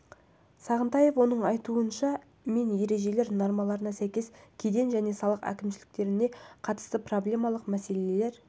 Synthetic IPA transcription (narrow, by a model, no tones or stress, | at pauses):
sɑʁənt̪ɑje̞fwo̞nəɴɑjt̪uənʃɑ | me̞nje̞ɾe̞ʒe̞le̞ɾno̞ɾmɑlˠɑɾənɑsæjkʲe̞skʲʰed̪e̞nʒæne̞sɑlˠəqæ̰kʲɪmʃɪlɪk̚t̪e̞ɾɪne̞qʰɑt̪əst̪əproblʲe̞mɑlˠəqmæse̞leele̞ɾ